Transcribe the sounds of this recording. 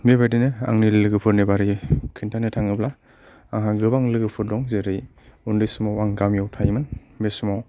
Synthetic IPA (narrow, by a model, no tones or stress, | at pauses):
mebajdinɯa̰ŋnilɯɡɯpʰɯɾnebaɾikʰintʰanɯtʰaŋɯbla | aŋɦaɡɯbaŋlɯɡɯpʰɯɾdɔŋzeɾɯj | undisɯmɔwaŋɡamjɔwtʰajmɯnmesumɔw